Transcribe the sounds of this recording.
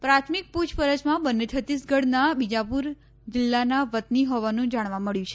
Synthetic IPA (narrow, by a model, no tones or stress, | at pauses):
pɾat̪ʰmik̚pud͡ʒpəɾəd͡ʒmãbənːet͡ʃʰət̪ːisɡəɽnabid͡ʒapuɾ | d͡ʒɪlːanaʋət̪niɦoʋanũd͡ʒaɽ̃ʋãməɭjũt͡ʃʰe